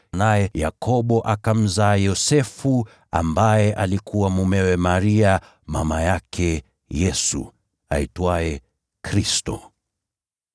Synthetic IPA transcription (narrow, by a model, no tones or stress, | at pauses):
najɛja̰kɔɓɔʔakam̩zaːjɔsɛfu | a̰mbajɛʔalikʰuwamumɛwɛmaɾia | ma̰majakʰɛ | jɛsṵ | a̰itwajɛ | kɾistɔ̰